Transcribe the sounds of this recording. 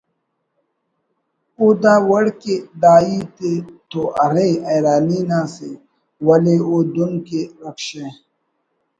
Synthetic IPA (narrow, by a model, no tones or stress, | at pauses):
uːd̪aːwɐɽked̪aːit̪et̪oʔɐɾeɐjɾaːniːnãːse | wɐleoːd̪ʊnkeɾɐkʃẽ